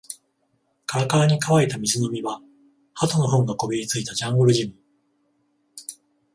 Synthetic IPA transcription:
kaɾakaːɲ̟ikaβait̪amʲizɨno̞mʲiβa | hat̪ono̞ɦõ̞ŋɡako̞bʲiɾʲit͡sɨit̪ad͡ʑãŋɡoɾɯ̟ʑimɯ

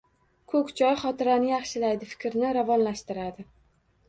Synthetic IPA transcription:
kʰɵkʲt͡ʃʰɒjχɒt̪ɪɾanɪjɑχʃɪlajd̪ɪfɪ̥kʲɾnɪɾavɒnlaʃt̪ɪɾad̪ɪ

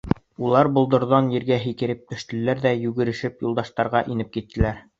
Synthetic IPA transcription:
ulˠɑɾbŏlˠd̪ŏɾðɑnjɘ̆ɾɡæɦikɘ̆ɾɘp̚t̪ɵ̆ʃt̪ɘ̆lːæɾðæjʉɡɘ̆ɾɘ̆ʃɘpjulˠd̪ɑʃt̪ɑɾʁɑʔinɘp̚kit̪ːɘ̆læɾ

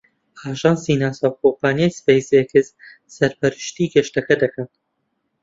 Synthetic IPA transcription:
aːʒɑːnsiːnaːsawkʰompaːnjajspejsekɪz | sɐɾpɐɾɨʃt̪iːɡɛʃt̪ɐkɐd̪ɐkʰɐn

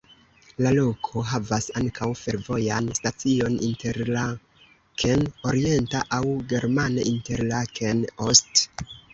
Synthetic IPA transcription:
lalo̞kʰo̞ɦavasaŋkʰawfe̞ɾvo̞janstat͡sio̞nḭnte̞ɾla | kʰeno̞ɾie̞ntaʔawɡe̞ɾmanaʔinte̞ɾlakʰenost

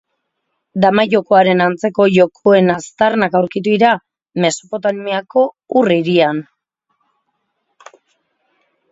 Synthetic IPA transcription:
d̪amaʝo̞ko̞aɾe̞nant͡se̞ko̞ʝo̞kʰoe̞nast̪arnakawɾkit̪uiɾa | me̞sopo̞t̪aniako̞ | uriɾian

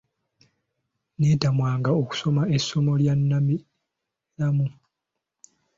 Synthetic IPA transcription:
neːtamwaːŋɡaoku̥so̞mae̞sːo̞mo̞ljanːami | lamu

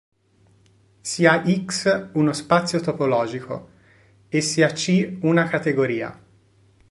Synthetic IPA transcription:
siaʔiksunospat̪sːjot̪opolɔːd͡ʒiko̰ | esːiat͡ʃiunakat̪eɡoɾiːa̰

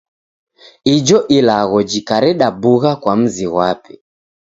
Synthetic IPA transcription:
id͡ʒɔʔilaɣɔd͡ʒikaɾɛɗabuɣakwam̩ziɣwapi̥

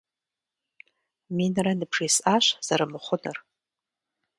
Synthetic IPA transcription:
minranɨbʰʐisaʃʷz̥aɾamɨχʷʊnɨ̰r

